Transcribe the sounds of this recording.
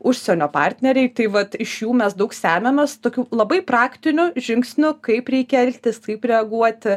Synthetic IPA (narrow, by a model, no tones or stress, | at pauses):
ʊʃʲsʲɛnʲoːpɑ̰ːrʲt̪ʲnʲɛɾʲɛɪt̪ɐɪʋɐt̪ɪʃjuːmʲɛsd̪ɐʊksʲæːmʲɛnɐst̪oːkʲuːlˠɐbɐɪprɑːkt̪ʲɪnʲʊʒʲɪŋksʲnʲʊkɐɪpɾʲɛɪkʲɛɛlʲt̪ʲɪskɐɪpɾʲɛɐɡuɔt̪ʲ